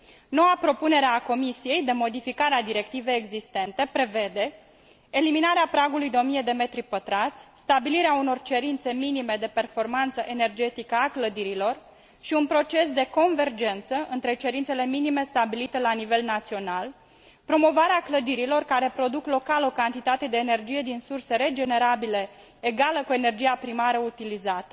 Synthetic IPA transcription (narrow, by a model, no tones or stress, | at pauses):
no̞wapɾo̞pune̞ɾeako̞misije̞jd̪e̞mo̞d̪ifikaɾead̪iɾe̞kt̪ive̞jeɡzist̪e̞nt̪e̞pɾe̞ve̞d̪e̞ː | liminaɾeapɾaɡulujd̪eo̞mije̞d̪e̞me̞t̪ɾipət̪ɾat̪sʲst̪abiliɾeauno̞rt͡ʃe̞ɾint̪se̞minime̞d̪e̞pe̞rfo̞rmant̪səʔe̞ne̞rd͡ʒe̞t̪ikəakləd̪iɾilo̞r | ʃiunpɾo̞t͡ʃe̞sd̪e̞ko̞nve̞rd͡ʒe̞nt̪səʔɨnt̪ɾe̞t͡ʃe̞ɾint̪se̞le̞minime̞st̪abilit̪e̞lanive̞lnat̪sio̞nal | pɾo̞mo̞vaɾeakləd̪iɾilo̞rkaɾe̞pɾo̞d̪uklo̞kalokant̪it̪at̪e̞d̪e̞ːne̞rd͡ʒije̞d̪insurse̞ɾe̞d͡ʒene̞ɾabile̞ː | ɡaləkue̞ne̞rd͡ʒijapɾimaɾəut̪ilizat̪ə